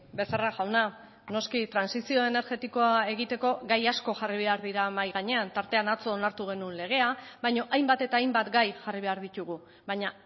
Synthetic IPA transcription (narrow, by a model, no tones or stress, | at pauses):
be̞saraʝawna | no̞skit̪ɾansisio̞e̞ne̞ɾʝe̞t̪iko̞ae̞ɣit̪e̞ko̞ɡajasko̞ʝariβ̞e̞aɾðiɾamajɣaɲe̞ant̪aɾt̪eanat͡so̞ːnaɾt̪uɣ̞e̞nunle̞ɣ̞e̞aβajɲo̞ʔajmbat̪e̞t̪aːjmbat̪ɡajxariβ̞e̞aɾðit̪uɣ̞u | baɲa